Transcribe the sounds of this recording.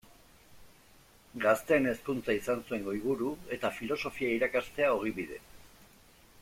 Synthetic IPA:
ɡast̪e̞ne̞skunt͡saisansue̞ŋɡo̞iɣuɾue̞t̪afilo̞so̞fiaiɾakast̪e̞ao̞ɣ̞iβiðe̞̰

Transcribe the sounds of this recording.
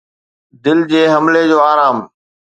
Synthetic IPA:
d̪ɪld͡ʑeːɦɐmled͡ʑoːaːɾaːm

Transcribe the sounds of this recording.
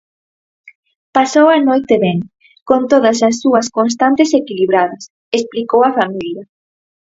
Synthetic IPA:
pasowanojt̪eβeŋ | kont̪oðɐsasːuɐskons̬t̪ant̪esekiliβ̞ɾaðɐs | esplikowɐfamiljɐ

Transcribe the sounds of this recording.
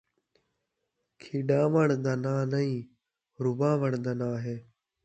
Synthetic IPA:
kʰiːɖãːʋəɳd̪aːnaːnəĩː | ɾʊbãːʋəɳd̪aːnaːɦeː

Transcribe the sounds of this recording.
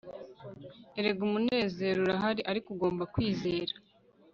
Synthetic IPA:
eɾe̞ɡumune̞ːze̞ɾuɾaɦaɾiʔaɾikuɡo̞ːmbakwiːze̞ːɾa

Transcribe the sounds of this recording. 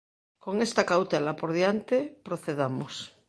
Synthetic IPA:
ko̞ŋest̪akawt̪elapoɾðjant̪epɾoθeðamos

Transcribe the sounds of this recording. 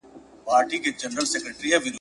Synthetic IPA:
paːɾʈiked͡ʒɐnɾəlsɛkɾeʈɾiɛʋɪn

